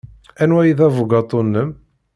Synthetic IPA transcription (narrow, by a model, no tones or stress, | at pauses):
ænwæjiðævʊɡɑt̪ˤːonːəm